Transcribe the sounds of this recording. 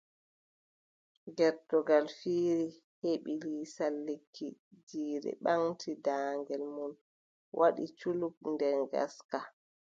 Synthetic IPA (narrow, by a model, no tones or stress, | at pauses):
ɡɛɾtɔɡalfiːɾi | heɓilisalːikʰːid͡ʒiːɾɛ̰ɓaŋtʰidaːŋɡɛlmun | wʔaɗḭt͡ʃuluk̚ndɛnɡa̰ska